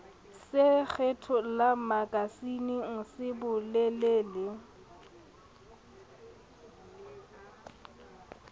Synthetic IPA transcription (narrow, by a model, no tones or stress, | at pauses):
sɪk͡xʰɛtʰɔlamakʼasiniŋ̩sɪbʊlɛleːlɪ